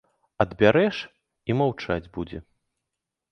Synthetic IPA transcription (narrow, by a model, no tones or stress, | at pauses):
ɐd̪bʲaɾɛʂ | imawt͡ʂad͡zʲbud͡zʲɛ̰